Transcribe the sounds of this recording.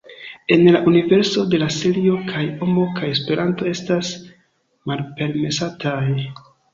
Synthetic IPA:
e̞nlaʔunive̞ɾso̞de̞laselio̞kʰajo̞mo̞kʰajespe̞ɾanto̞e̞stas | malpe̞ɾme̞satʰaj

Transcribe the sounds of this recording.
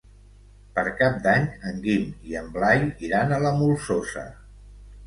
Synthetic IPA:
pəɾkap̚d̪aɲəŋɡimiəmblajiɾanələmulˠsosə̰

